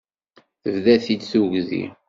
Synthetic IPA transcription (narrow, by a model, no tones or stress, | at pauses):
vðæθid̪θuʝzḭ